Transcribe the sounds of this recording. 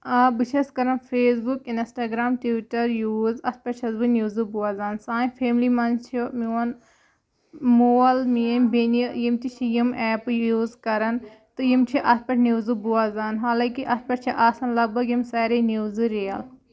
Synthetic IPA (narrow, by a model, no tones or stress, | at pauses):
ɐbɨʃʰɐskɐɾɐnfʰeːsbukinsʈaːɡɾaːmʈiʋiʈɐɾjuːzɐsʰpɐʈt͡ʃʰɐzbɨnjuːzɨbuaːzaːnsaːjfʰeːmlimɐnt͡ʃʰimiwɐn | moɐlmiɐnʲbenijimt̪it͡ʃʰijimɛːpɨjuːzkɐɾɐn | t̪ɨjimt͡ʃʰiʔɐspɐʈʰnuzɨbuaːzaːnɦaːlaːkiʔɐspɐʈt͡ʃʰiʔaːsɐnlɐɡ̚bɐɡjimsɐːɾenuːzɨɾijɐl